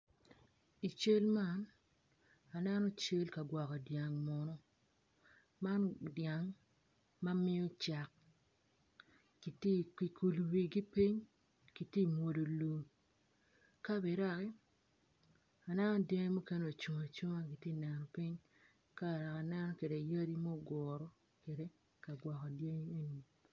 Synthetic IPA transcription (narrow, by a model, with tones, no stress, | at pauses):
i˨t͡ʃe˦lma˦˨n | a˨nɛ˦nɔ˦t͡ʃe˦lka˨ɡwɔ˨ka˨dja˨ŋmɔ˨nɔ˦ | ma˦ndja˨ŋ | ma˦mɪ˦o˦t͡ʃa˨k̚ | ɡi˨te˦ki˨kʰu˨lu˨wi˨ɡi˦pi˦ɲ | ki˨tje˦˨mwo˨do˨lo˨ | ka˦bi˨ɾa˦˨kɛ˦ | a˨nɛ˦nɔ˦dje˦ŋi˦mu˦ke˦no˨t͡ʃu˨ŋa˨t͡ʃu˦ŋa˦ɡi˨tje˦˨nɛ˨nɔ˨pi˦ɲ | ka˦˨ɾa˨ka˨nɛ˦nɔ˦ke˨de˨ja˦di˦mɔ˦˨ɡɔ˨ɾɔ˨˦ | ke˨de˦ | ka˨ɡwɔ˨kɔ˨dje˦ŋi˦e˦n˨